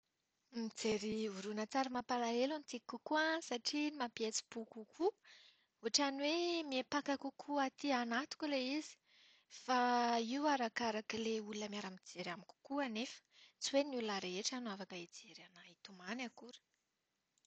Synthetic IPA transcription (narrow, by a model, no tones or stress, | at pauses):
mid͡zeɾivuɾunət͡saɾamapalaelanit̪ikukuasaʈ͡ʂimapjet͡si̥b̥ukukʰu | uaʈ͡ʂanwemiepakakukʰuat̪ianat̪u̥kʲuleizi̥ | faiuaɾakaɾakileulunəmiaɾamid͡zeɾamiku̥kuanefə̥t͡suwenulunaɾeeʈ͡ʂanuavakəid͡zeɾanait̪umanakuɾə̥